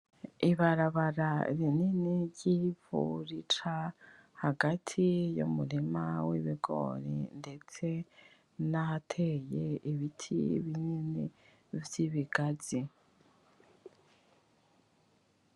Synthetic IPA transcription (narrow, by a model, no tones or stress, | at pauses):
iβaɾaβaɾaɾininiɟivṵɾit͡ʃa | haɡatʰijṵmulimawḭβiɡo̰ɾḭnde̞t͡se̞ | naatʰejeiβitʰḭβininḭ | vjiβiɡ̥azi